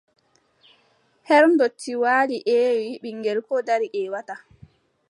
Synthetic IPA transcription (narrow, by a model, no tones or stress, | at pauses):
hɛɾmdotʰːiwaːliʔɛːwiɓiŋɡɛlkɔdaɾiʔɛwata